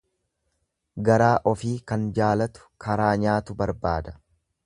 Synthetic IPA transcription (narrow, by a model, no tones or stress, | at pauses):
ɡɐɾaːʔɔfiːkɐnd͡ʒaːlɐt̪ʊ̥kʰɐɾaːɲaːt̪ʊbɐɾbaːd̪ɐ̥